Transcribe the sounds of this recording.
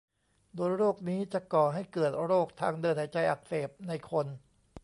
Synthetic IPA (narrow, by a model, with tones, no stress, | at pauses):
doː˧jɾoː˥˩k̚niː˦˥t͡ɕa˨˩kɔː˨˩ɦa˥˩jkɤː˨˩t̪̚ɾoː˥˩k̚t̪ʰaː˧ŋdɤː˧nha˨˩˦jt͡ɕa˧jʔa˨˩k̚seː˨˩p̚na˧jkʰo˧n